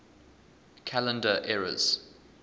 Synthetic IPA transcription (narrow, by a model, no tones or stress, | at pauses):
kʰalə̃ndəʔɛɹə̰z̥